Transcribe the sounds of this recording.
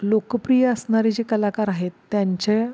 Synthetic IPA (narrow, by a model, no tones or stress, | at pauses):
lokəpɾijəəsɳaɾed͡ʑekəlakaɾaɦet̪ːjaɲt͡ɕe